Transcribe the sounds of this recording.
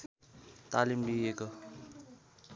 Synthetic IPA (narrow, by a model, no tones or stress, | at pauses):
t̪aːlimɖieko